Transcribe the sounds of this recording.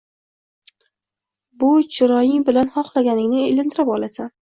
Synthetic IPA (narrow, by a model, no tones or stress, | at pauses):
bʊt͡ʃʰɪɾɒjɪŋbɪlanhɒqlˠaɡʲanɪŋnɪelɪnt̪ʰɪɾapɒlˠasa